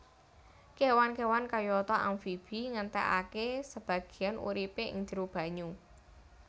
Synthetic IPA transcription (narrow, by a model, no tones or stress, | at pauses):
kewankewankajɔt̪ɔʔamfib̥iŋənt̪ɛ̰ʔa̰kesəb̥ä̤ɡ̥i̤anʔṵɾipeɪ̰ŋd͡ʒ̥iɾub̥ä̤ɲu